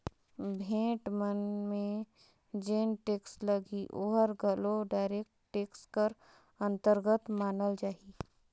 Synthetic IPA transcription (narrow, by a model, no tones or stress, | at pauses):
bʱẽːʈmənmẽ | d͡ʒeːnʈeːksləɡiʔoːɦəɾɡəloɖaːɪɾeːk̚ʈʈeːkskəɾ | ɐ̃nt̪əɾɡət̪maːnəld͡ʒaːi